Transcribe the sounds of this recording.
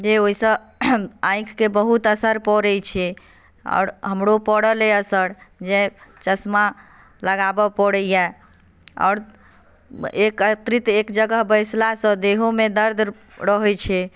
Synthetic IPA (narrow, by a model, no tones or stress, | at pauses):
d͡ʒeoisə̃ | ãjkʰkebəɦut̪əsəɾpɔɾɛt͡ʃʰɛ | ɔ̰ːɾɦəmɽopəɽəleəsəɾd͡ʒet͡ʃəsma | ləɡabɔpəɽəjɛ | ɔ̰ːɾ | ekət̪ɾit̪ekd͡ʒəɡəɦbəjslasə̃d̪eɦomed̪əɾd̪ʱ | ɾəɦɛt͡ʃʰɛ